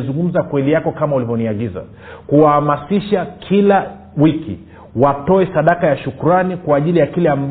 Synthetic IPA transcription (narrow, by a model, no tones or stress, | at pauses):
zuŋɡum̩zakwɛlijakɔkamaulivɔniaɠiza̰ | kuwahamasiʃakʰila | wikḭ | watɔɛsaɗakajaʃukuɾanikwaːʄilijakilɛamb